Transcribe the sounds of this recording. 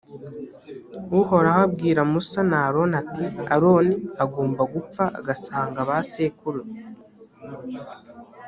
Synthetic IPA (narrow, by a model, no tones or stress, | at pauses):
uho̞ɾahab̚ɡiːɾamusanaːɾo̞natia̰ɾo̞ːniaɡoːmbaɡup͡faa̰ɡasaːŋɡaβaseːkuɾe